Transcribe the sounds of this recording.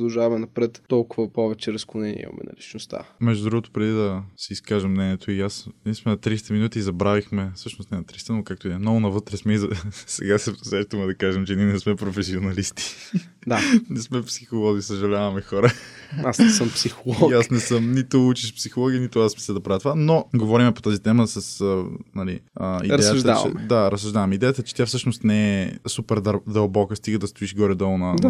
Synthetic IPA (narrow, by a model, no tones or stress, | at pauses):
d̪ɐlˠʒavɐmɛnɐpɾɛt̪ːɔlˠkʊvɐpɔvɛt͡ʃɛɾɐsklʊnɛnḭḭmɐ̰mɛ̰nɐ̰lit͡ʃnost̪a̰mɛʒd̪ʊd̪ɾuɡot̪o̥pɾɛd̪id̪ɐsiːskaʒɛmnɛniɛt̪oiasnʲɛsmɛnɐt̪ɾist̪ɐminut̪iizɐbɾavixmɛfsɤʃnost̪nɛnɐt̪ɾist̪ɐnokak̚t̪oimnoɡʊnɐvɤt̪ɾɛsmiɛzsɛ̰ɡasɛsɾɛʃt̪əmɛd̪ɐkaʒɛmt͡ʃɛniɛnɛsmɛpɾofɛsionɐlist̪i̥ | d̪anɛsmɛpsixolˠɔzisɐʒɐlʲavɐmɛxɔɾəasnɛsəmpsixolˠɔasnɛsɤmnit̪out͡ʃiʃpsixolˠɔɡʲinit̪ʊasmisɛd̪ɐpɾavjɐt̪ovanoɡovɔɾimɛpo̥t̪azit̪ɛməsɐsənɐlḭəidɾjjəʒd̪a̰t͡ʃɛ̰d̪aɾɐsːɐʒd̪avɐmid̪ɛjət̪ət͡ʃɛ̥t̪ʲjafsɤʃnost̪nɛɛsupɛɾd̪d̪ɐlˠbɔkəst̪iɡəd̪ɐst̪oiʃɡɔɾɛd̪ɔlˠnɐd̪a